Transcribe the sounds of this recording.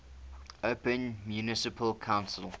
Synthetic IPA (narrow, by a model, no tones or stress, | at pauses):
ʔoʊpə̃nmjunɪsɪpʰəlkʰãʊ̃nsəlˠ